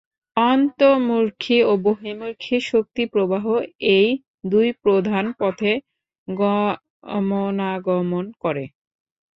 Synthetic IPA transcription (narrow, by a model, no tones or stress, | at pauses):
ɔnt̪omuɾkʰioboɦemuɾkʰiʃok̚t̪ipɾobaɦoej | d̪ujpɾod̪ʱanpɔt̪ʰe | ɡɔ | monaɡɔmonkɔɾe